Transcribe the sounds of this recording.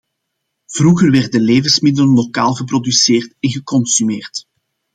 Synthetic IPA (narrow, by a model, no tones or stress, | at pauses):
v̥ruɣərʋɛrdəleːvənsmɪdələnlokaːlˠɣəprɔdyseːrtɛnɣəkɔnsymeːrt